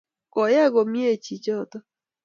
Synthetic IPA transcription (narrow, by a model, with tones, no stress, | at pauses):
kɔ˨ja˦ɡɔ˨mje˦˨t͡ʃi˨t͡ʃɔ˦˨t̪ɔ˦